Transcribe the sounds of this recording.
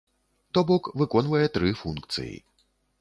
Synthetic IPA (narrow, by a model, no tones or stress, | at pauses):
t̪ɔbɔkvɨkɔnvɐjɛt̪ɾɨfunkt̪sɨ̰jḭ